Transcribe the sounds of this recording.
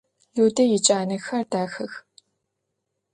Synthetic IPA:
juːdɐjɪt͡ʃʼaːnɐxɐrdaːxɐx

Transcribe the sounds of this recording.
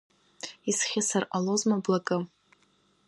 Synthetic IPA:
isχʲɪsarʔalozmablakʼɨ

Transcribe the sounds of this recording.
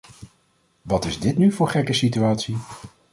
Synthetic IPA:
ʋɑtɪzdɪtnyvʊːɹχɛkəsityaːtsi

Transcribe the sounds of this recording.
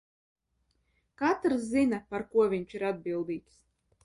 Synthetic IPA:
kat̪ɾszinapaɾkuɔvʲiɲt͡ʃiɾad̪̚bilˠd̪iːk̪s

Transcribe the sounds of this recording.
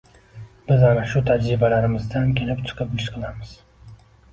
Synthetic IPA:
bɪzanaʃut̪ʰad͡ʒɾɪbalaɾɪmɪzd̪ankʲʰe̞lɪpt͡ʃ̪ʰɨ̥qʰɨpɪt͡ʃqʰɨlˠamɨz̥

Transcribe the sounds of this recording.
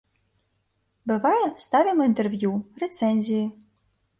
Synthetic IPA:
bɨvajɛst̪avʲimint̪ɛrvʲjurʲɛt̪sɛnʲzʲiji

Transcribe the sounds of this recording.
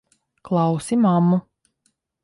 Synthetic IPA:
klˠɑwsimamːu

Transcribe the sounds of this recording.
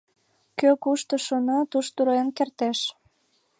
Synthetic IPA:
køkuʃt̪ɤ̆ʃonot̪uʃt̪uɾenkert̪eʃ

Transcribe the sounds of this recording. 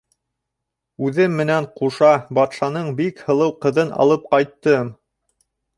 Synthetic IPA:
ʉðɘmːɘ̆næɴquʃɑbɑt̪ʃɑnɤɴbikhɤ̆lˠɤwqɤ̆ðɤnʔɑ̰lˠɤp̚qɑjt̪ːɤm

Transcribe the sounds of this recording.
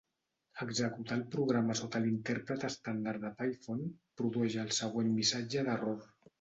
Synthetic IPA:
əɡzəkut̪alˠpɾuɣ̞ɾaməsot̪əlint̪ɛɾpɾət̪əst̪and̪aɾd̪əpajfonpɾuðuɛʒəːlˠsəɣ̞wenmisad͡ʒəðəroɾ

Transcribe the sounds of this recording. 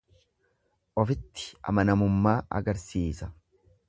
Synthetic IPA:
ʔɔfɪt̪ːɪ̥ɐ̰mɐnɐmʊmːaːʔɐ̰ɡɐɾsiːsɐ̥

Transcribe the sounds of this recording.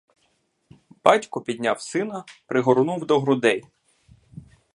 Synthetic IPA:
b̥ɑtʲkʊpʲid̪ʲnʲawsɪnɐpɾɪɦɔɾʊnuwd̪ɔɦɾʊd̪ɛj

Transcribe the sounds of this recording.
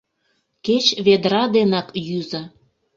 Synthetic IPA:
ket͡ɕβed̪ɾɑd̪enɑkjyzə

